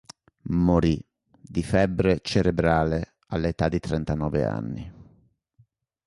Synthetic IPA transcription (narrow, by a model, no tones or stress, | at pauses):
moɾi | d̪ifɛbːɾet͡ʃeɾebɾaːle | alːet̪ad̪ːit̪ɾɛnt̪anɔːvḛa̰nːi